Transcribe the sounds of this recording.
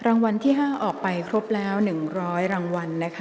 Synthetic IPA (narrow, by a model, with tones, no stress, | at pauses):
ɾaː˧ŋwa˧nt̪ʰiː˥˩ɦaː˥˩ʔɔː˨˩k̚pa˧jkʰɾo˦˥p̚lɛː˦˥wnɯ˨˩ŋɾɔː˦˥jɾaː˧ŋwa˧nːa˦˥kʰa˦˥